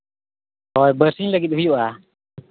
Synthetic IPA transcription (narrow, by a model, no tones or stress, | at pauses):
hɔjbəɾsiŋləɡit̪̚ɦujuʔa